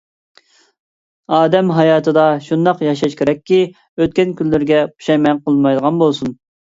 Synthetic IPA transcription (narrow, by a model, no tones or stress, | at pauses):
ɑːd̪ɛmɦɑjɑːt̪ʰɨd̪ɑʃund̪ɑqjɑʃɑʃkʲeɾɛkʲːi | øt̪̚kʲɛnkʲʰynlɪɾɡʲɛpʰu̥ʃɑjmɛnqʰəlˠmɑjd̪əʁɑnbolˠsun